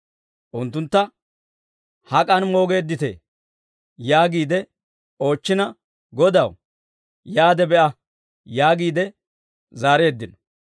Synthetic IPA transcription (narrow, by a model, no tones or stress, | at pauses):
ʔʊnt̪ːʊnt̪ːɐ | hɐkʼɐnmo̞ːɡe̞ːd̪ːɪt̪ḛː | jaːɡiːd̪ɛ | o̞ːt͡ʃːɪnɐ | ɡɔd̪ɐw | jaːd̪ɛbɛʔɐ | jaːɡiːd̪ɛ | zaːɾe̞ːd̪ːɪnɔ